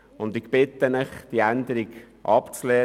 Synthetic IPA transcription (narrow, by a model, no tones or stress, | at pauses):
ʊnd̪ɪkb̥ɪt̪ənɪχd̪̥iænd̪əɾiɡ | ʔɑpt͡slɛː